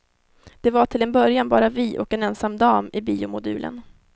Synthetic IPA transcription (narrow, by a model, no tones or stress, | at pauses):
d̪̥ɛvaʈʰɪlɛnbœɾjanbɑːɾavɪʔɔkɛnɛnsamːd̪ɑːmɪbiːʊmʊd̪ʉ̟ːlʔə̰n